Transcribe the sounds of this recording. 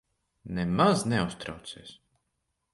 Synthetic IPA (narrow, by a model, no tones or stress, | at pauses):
nemaznɛust̪ɾa̰wt̪seːs